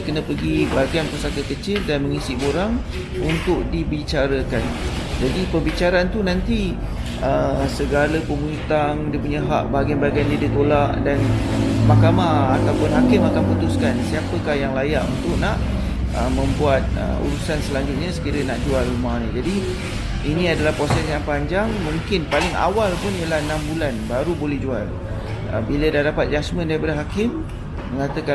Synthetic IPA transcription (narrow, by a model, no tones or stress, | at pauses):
kənə̃pəɡibaɡianpəsakəkət͡ʃɪldanməŋisɪʔboɾaŋ | unt̪ʊk̚dibit͡ʃaɾəkan | d͡ʒadipəbit͡ʃaɾaant̪unãnt̪i | ʔəsəɡaləpəmuit̪aŋdipuɲəɦa̰ʔbaɡianbaɡiandiadikolaʔdanmakamahat̪awpʊnɦakɪmakanput̪ʊskansiapəkahjaŋlajaʔunt̪ʊʔnaʔ | əmə̃mbuat̪̚ə̰ṵɾusansəlaɲd͡ʒʊt̪̚ɲasə̥kiɾənaʔd͡ʒualːumanĩd͡ʒadi | inĩadalahpɾosɛsjaŋpaɲd͡ʒaŋmũŋkɪnpalɪŋa̰walpʊnjəlahənãmbulanbaɾubolɛhd͡ʒual | ə̰bilədahdapat̪̚d͡ʒasmə̃ndaipadaɦakɪm | məŋat̪əka